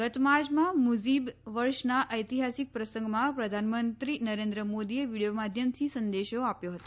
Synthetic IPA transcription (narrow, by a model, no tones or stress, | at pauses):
ɡət̪maɾd͡ʒmãmuzibʋəɾʃnaʔəjt̪iɦasik̚pɾəsə̃ŋɡmãpɾəd̪ʱanmənt̪ɾinəɾend̪ɾəmod̪ieʋiɽijomad̪ʱjəmt̪ʰisənd̪eʃoapjoɦət̪o